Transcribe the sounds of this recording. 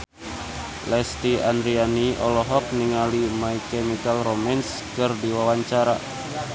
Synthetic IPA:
lɛst̪iandɾianiɔlɔɦɔk̚niŋalimaikɛmikalromɛns | kɨrdiwawaɲt͡ʃaɾa̰

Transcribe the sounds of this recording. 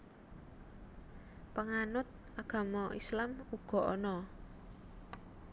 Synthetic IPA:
pəŋanʊt̪̚ | aɡ̥a̤mɔḭslamuɡ̥ɔ̤ʔɔ̰nɔ

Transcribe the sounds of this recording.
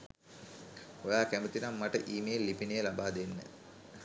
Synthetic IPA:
ojaːkæmət̪inamːaʈəʔiːmejelːipinəjəlabaːd̪enːə̰

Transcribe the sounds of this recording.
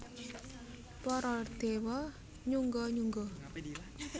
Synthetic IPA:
pɔɾɔd̪̥ewɔ | ɲuŋɡɔɲuŋɡɔ

